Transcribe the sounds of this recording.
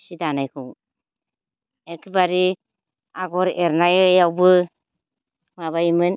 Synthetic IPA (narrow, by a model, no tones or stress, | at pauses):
sidanajkʰuw | ekʰibaɾi | aɡɔɾeɾnajɔjawbɯ | maβajimɯn